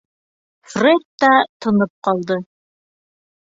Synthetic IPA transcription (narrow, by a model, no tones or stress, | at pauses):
frʲet̪ːɑt̪ʰŏnɤp̚qɑlˠd̪ɤ